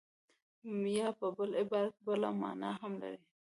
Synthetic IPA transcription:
jɑpəbəlɪbɑɾak̪bəla̰mɑ̰na̰ɦamla̰ɾi

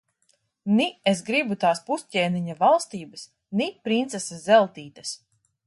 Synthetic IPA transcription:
niesɡɾibut̪aːspuscʲɛːniɲavalˠst̪iːbɐs | nipɾint̪sɛsazɛlˠt̪iːt̪ɐs

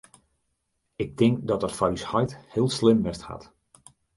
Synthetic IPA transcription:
ɪk̚tɪŋkdɔtərfɔɹyshɔjthɪəlˠslɪmʋɛstha̰t

